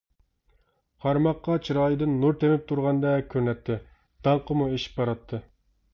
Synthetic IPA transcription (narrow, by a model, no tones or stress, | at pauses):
qʰɑɾmɑqːɑt͡ʃʰiɾɑːjɨd̪ɨnːuɾt̪ʰemɪp̚t̪ʰuɾʁɑnd̪ɛkʲʰøɾnɛt̪ʰːɪ | d̪̥ɑɴqʰəmueʃi̥p̚bɑɾɑt̪ʰːɨ